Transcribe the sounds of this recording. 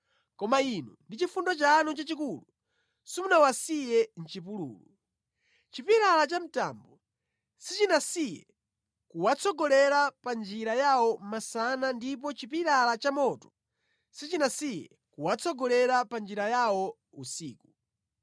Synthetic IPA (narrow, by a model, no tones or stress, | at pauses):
kɔmainṵndit͡ʃifundɔt͡ʃanɔt͡ʃat͡ʃikulu | simunawasijɛn̩t͡ʃip̬ulṵːlu | t͡ʃipiɾalat͡ʃam̩ta̰mbɔ | sit͡ʃinasijɛ̰ | kuwat͡sʰɔɡɔlɛɾapand͡ʒiɾajawɔmasanandip̬ɔt͡ʃipiɾalat͡ʃamɔtɔ̥ | sit͡ʃinasijɛ̰ | kuwat͡sʰɔɡɔlɛɾapand͡ʒiɾajawɔ | usiːku